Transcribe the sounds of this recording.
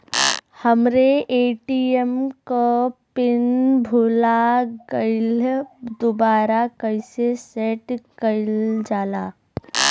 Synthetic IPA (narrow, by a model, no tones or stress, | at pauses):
həmɾeʔeːʈiemkopɪnbʱʊlaɡəɪld̪ʊbaːɾakəɪsesɛːʈkəɪld͡ʒaːlaː